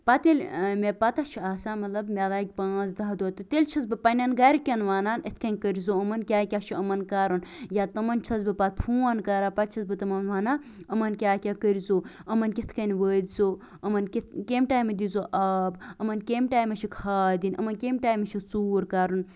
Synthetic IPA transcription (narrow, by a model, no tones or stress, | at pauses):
pɐt̪ilʲmʲepɐt̪ɐt͡ʃʰiaːsaːmɐt̪lɐbmʲalaːkʲpãːzd̪aɦd̪uot̪ut̪elʲt͡ʃʰɐzbɨpɐnʲɐnɡɐɾkʲɐnʋaːnaːnɐt̪ʰkɐnʲkəɾʲizoɐmɐnkʲaːkʲat͡ʃʰiɐmɐnkaːɾunjaːt̪ɐmɐnt͡ʃʰɐzbɨpat̪̚ʰpʰuːɐnkaːɾaːpɐt̪̚t͡ʃʰɐzbɨt̪ɐmɐnʋaːna | ɐmɐnkʲaːkʲakəɾʲizoːɐmɐnkʲit̪ʰkɐnʲʋəːd̪ʲzoː | ɐmɐnkʲit̪kʲemʈaːjmɐd̪izoʔaːbɐmɐnkʲemʈaːjmɐt͡ʃʰikʰaːd̪inɐ̰mɐnkʲemʈaːjmɐt͡ʃʰit͡suːɾkaːɾun